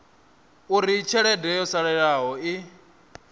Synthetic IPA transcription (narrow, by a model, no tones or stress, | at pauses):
uɾit͡ʃʰɛɺɛdɛjɔsaɺɛɺaɦɔi